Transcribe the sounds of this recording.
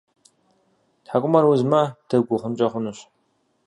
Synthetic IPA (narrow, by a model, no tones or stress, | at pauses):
tħakʷʼʊmɐɾwʊzmɐd̥ɐɡʷʊχʷʊnt͡ʃʼɐχʷʊnɨɕ